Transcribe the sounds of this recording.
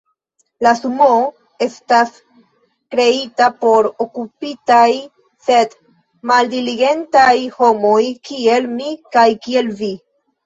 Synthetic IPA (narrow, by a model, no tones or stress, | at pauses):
lasumo | e̞stas | kɾe̞itapo̞ɾokupitaj | se̞d | maldiliɡe̞ntajho̞mo̞jkie̞lmikajkie̞lvi